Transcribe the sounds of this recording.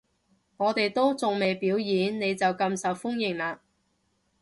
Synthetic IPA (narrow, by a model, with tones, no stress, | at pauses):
ŋɔː˨˧t̪e˨jt̪o˥wt͡sʊ˨ŋme˨jpiː˨˥wjiː˨˧˥nne˨˧jt͡sɐ˨wkɐ˧msɐ˨wfʊ˥ŋjɪ˨˩ŋlaː˧